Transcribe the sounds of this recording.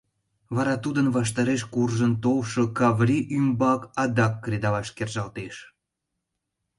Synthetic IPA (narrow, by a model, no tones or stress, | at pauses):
βɑɾɑt̪ud̪ənβɑʃ̬t̪ɑɾeʃkurʒənt̪owʃokɑβrʲiʔymbɑkɑd̪ɑkːred̪ɑlɑʃkerʒɑlt̪eʃ